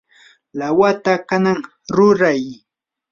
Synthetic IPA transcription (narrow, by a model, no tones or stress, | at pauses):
lawat̪akanaŋ | ɾʊɾaj